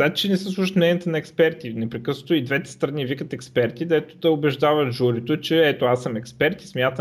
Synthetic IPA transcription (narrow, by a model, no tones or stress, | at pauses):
zat̪t͡ʃɛnɛsəslˠʊʃt̪nɛnʲijət̪ənɐɛkspɛɾt̪inɛpɾɛkɤsnot̪oid̪vɛt̪ɛ̥st̪ɾɐnivikət̪ɛkspɛɾt̪id̪ɛt̪o̥d̪ɐobɛʒd̪avɐt̪ʒuɾit̪ot͡ʃɛɛt̪oasəmɛkspɛɾt̪ismʲjat̪ə